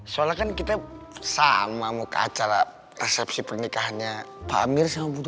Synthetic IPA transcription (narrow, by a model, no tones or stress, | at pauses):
salakankit̪a | samamuka̰t͡ʃaɾa | rɛsɛpsipərnikaɦanɲapa̰mirsamabut̪